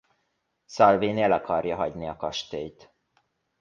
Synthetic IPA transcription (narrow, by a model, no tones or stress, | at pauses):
sɒlviːnelɒkʰɒrjɒɦɒɟniɒkɒʃt̪eːjt̪